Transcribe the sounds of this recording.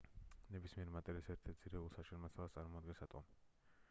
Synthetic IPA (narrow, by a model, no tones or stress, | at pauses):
nɛbismiɛɾimat̪ʼɛlisɛɾt̪ʰɛsʰiɾɛulˠsaʃɛnmasalˠast̪sʼaɾmɔad̪ɡɛnsat̪ʼɔ̰m